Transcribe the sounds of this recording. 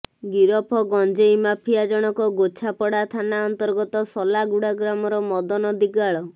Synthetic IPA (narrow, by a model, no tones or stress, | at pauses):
ɡiɾɔpʰɔɡɔnd͡ʒejmapʰijad͡ʒɔɽ̃ɔkɔɡot͡ʃʰapɔɽat̪ʰanaɔnt̪ɔɾɡɔt̪ɔsɔlaɡuɽaɡɾamɔɾɔmɔd̪ɔnɔd̪iɡaɭɔ